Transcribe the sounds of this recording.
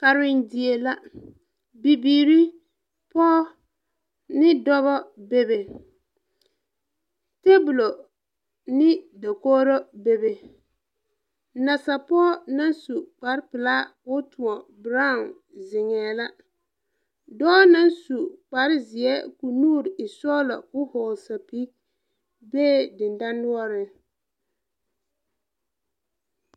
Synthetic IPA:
ka˨ɾɪ˦ndɪ˨e˨la˦ | bi˨biː˨ɾi˦ | pɔː˦ | nɪ˦dɔ˦βɔ˦be˦be˨ | te˦bu˨lo˨ | nɪ˦da˨koː˦ɾo˦be˨be˨ | na˨sa˨pɔː˦na˦nsu˨k͡pa˨ɾpɪ˨la˦wʊ˦tu˨ɔ˨bɾa˦˨n | zɪ˨ŋɛː˨la˦ | dɔː˦na˦nsu˨k͡pa˨ɾɪ˦zɪ˨ɛ˦ku˨nuː˦˨ɾɪ˨sɔ˦lɔ̰˨kʊ˦hɔː˨lsa˨pi˦ | beː˦dɪ˨n˨da˦nːʊ˦ɔ˦ɾɪ˦

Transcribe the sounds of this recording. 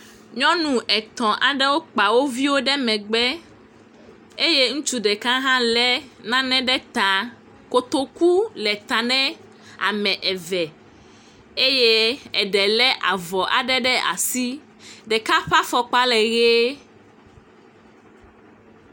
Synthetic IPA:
ɲɔ̃˦nũ˨ʔɛ˨t̪ɔ̃˨ʔa˨ɖɛ˦wo˦k͡pa˨wo˦vi˦wo˦ɖɛ˦mɛ̃˨ɡ͡bɛ˦ | e˦je˦ŋũ˦t͡ʃu˦ɖɛ˨kã˦ɦã˦lɛ˦nã˦nɛ̃˦ɖɛ˦t̪ã˨ | ko˦t̪o˦ku˦lɛ˨t̪ã˨nɛ̃˦ | a̰˨mɛ̃˨ʔɛ˨vɛ˨ | e˦je˦ɛ˨ɖɛ˨lɛ˦ʔa˨vɔ˨ʔa̰˨ɖɛ˦ɖɛ˦ʔa̰˨si˦ | ɖɛ˨ka˦ɸa˦fɔ˦k͡pa˦lɛ˨ɣe˦

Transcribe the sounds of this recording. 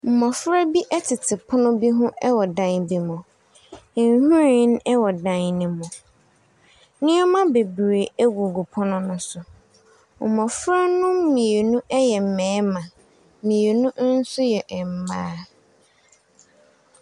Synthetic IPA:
m̩˨mɔ̃˨fɾa˦bi˦ʔɛ˦tʰɪ˨tʰɪ˨pʰʊ˦nʊ̃˦bi˦ɦʊ̃˦ʔɛ˦wɔ˨dã˨ŋbi˨mɔ̃˨ | n˦hũ˦ɾi˦˨˦n˦ɛ˦wɔ˨dã˨nnɪ̃˨mɔ̃˨ | nɪ̃˦ɔ˦mã˦be˨bɾe˨æ˦ɡu˨ɡu˨pʰɔ˦nʊ̃˦nʊ̃˦sʊ˨ | m̩˨mɔ̃˨fɾa˦nʊ̃˦mĩ˨e˨nũ˦ʔɛ˦jɛ˨m̩˨mɛ̃ː˨˦mã˨ | mĩ˨e˨nũ˦n̩˦sʊ˦jɛ˨ʔm̩˨maː˦

